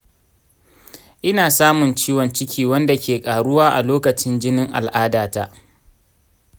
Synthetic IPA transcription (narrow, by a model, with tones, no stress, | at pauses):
ʔɪ˦naː˨saː˦mʊ˨nt͡ʃiː˦wɔ˨nt͡ʃɪ˦kʲiː˨wɐ˦nda˨kʲeː˨kʼaː˨ɽʊ˦waː˦ʔa̰˨loː˦kɐ˨t͡ʃɪ˦nd͡ʒɪ˦nɪ˦ŋʔa̰˨lʔaː˦daː˨ta˦ʔ